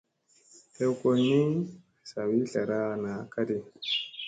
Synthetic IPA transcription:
te˦wko˨ni˦ | sa˨wi˦ɬa˨ɾa˦˨na˨ka˦di˨

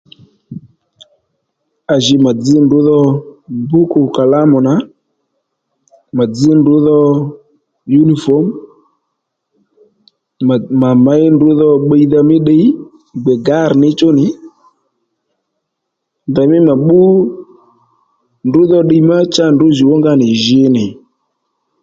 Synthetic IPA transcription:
a˨ʒɪ˨˧ma˨d͡zɪ˦ndʊ˨˦ðɔ˧bu˦kʊ˨ka˨la˦mʊ˨na˨˦ | ma˨d͡zɪ˨˦ndʊ˨˦ðɔ˧ | ju˦ni˨fɔ˨˦m˨ | ma˨ma˨˦ɪ˦ndʊ˨˦ðɔ˧ɓe˧i˦ða˧mɪ˦ɗe˧˦i˦ | ɡ͡bɛ˨ɡa˨˦˨ɾnɪ˦t͡ʃʊ˦nɪ˨˦ | nda˨mɪ˦ma˨ɓʊ˦ | ndʊ˨˦ðɔ˧ɗe˧i˦ma˦t͡ʃa˦ndʊ˨˦ʒɪ˨wɔ˦ŋɡa˧nɪ˨ʒɪ˧nɪ˨

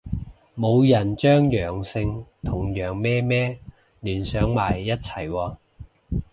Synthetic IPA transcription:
mo˨˧wjɐ˨˩nt͡ʃœː˥ŋjœː˨˩ŋsɪ˧ŋt̪ʰʊ˨˩ŋjœː˨˩ŋmɛː˥mɛː˥ | lyː˨˩nsœː˨˥ŋmaː˨˩jːɐ˥t̚t͡sʰɐ˨˩jwɔː˧

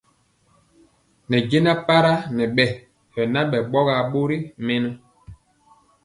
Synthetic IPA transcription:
nɛ˨ɟe˦na˦pa˦ɾa˦nɛ˨ɓɛ˦˨ | hɛ˨na˦ɓɛ˨ɓɔ˦ɣa˨ɓo˦ɾi˦mɛ˦nɛ˦

